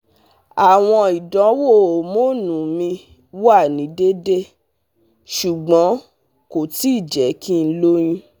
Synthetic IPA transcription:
a˨w̃ɔ̃˧i˨dɔ̃˨˦wo˦˨mo˦nũ˨˦mĩ˧ | wa˦˨nĩ˨˦de˦de˦ | ʃu˨ɡ͡bɔ̃˨˦ | ko˨ti˦i˦˨d͡ʒɛ˨˦kĩ˦˧n̩˦lo˦j̃ĩ˧

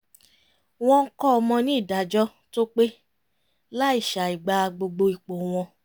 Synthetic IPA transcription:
w̃ɔ̃˧ŋ̩˦kɔ˦ɔ˧mɔ̃˧nĩ˦i˦˨da˨˦d͡ʒɔ˦ | to˦k͡pe˦ | la˦i˦˨ʃa˨i˨ɡ͡ba˧˦˧ɡ͡bo˧ɡ͡bo˧i˨k͡po˨w̃ɔ̃˧

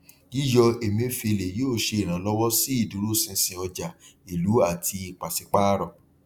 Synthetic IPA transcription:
ji˦jɔ˧e˨mĩ˧o˧fi˧e˧le˨joː˦˨ʃe˧i˨ɾ̃ã˨˦lɔ˦wɔ˦si˦i˦˨du˨˦ɾu˦˨sĩ˧˦sĩ˨ɔ˧d͡ʒa˨i˨lu˨˦a˦˨tʰi˧i˨k͡pa˨si˨˧k͡pa˦ɾɔ˧˨

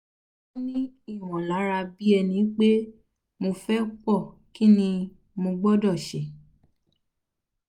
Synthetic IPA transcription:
ɔ˦nĩ˦i˦˨w̃ɔ̃˨la˨˦ɾa˧bi˦ɛ˧nĩ˧˦k͡pe˦ | mo˧fɛ˦k͡pɔ˦˨ | ki˦nĩ˧ | mõ˧ɡ͡bɔ˦dɔ˦˨ʃɛ˨

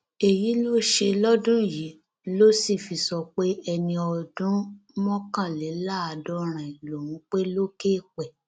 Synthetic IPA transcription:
e˨ji˨˦lo˦ʃe˧lɔ˦dũ˦˨ji˨˦ | lo˦si˦˨fi˧sɔ˧k͡pe˦ɛ˧nĩ˧ɔ˧dũ˦mɔ̃˦kã˦˨lɛ˨˦la˦˨a˧dɔ˦ɾ̃ã˨i˨lo˨wũ˨˦k͡pe˦lo˦keː˦˨k͡pɛ˨

